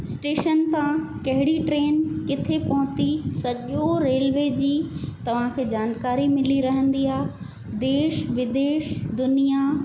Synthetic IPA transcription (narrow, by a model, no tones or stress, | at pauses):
sʈeːʃənt̪ãkɐɦɪɽiʈɾeːnkɪt̪ʰepɐɦʊ̃t̪isɐʄoɾeːlʋeːd͡ʑiːt̪ɐʋ̤ãkʰeːd͡ʑaːnkaːɾimɪliɾɐɦə̃nd̪iaː | d̪eːʃʋɪd̪eːʃd̪ʊnija